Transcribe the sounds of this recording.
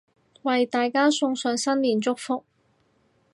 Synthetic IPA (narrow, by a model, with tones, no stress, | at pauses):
wɐ˨jt̪aː˨jkaː˥sʊ˧ŋsœː˨ŋsɐ˥nliː˨˩nt͡sʊ˥k̚fʊ˥k̚